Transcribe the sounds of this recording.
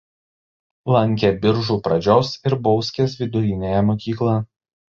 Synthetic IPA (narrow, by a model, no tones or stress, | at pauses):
lˠɐŋʲˑkʲebʲɪɾʒuːpɾɐd͡ʒʲoːsɪɾbɔʊsʲkʲeːs̬ʋʲɪd̪ʊjɪnʲejɛmɔːkʲiːklˠɐ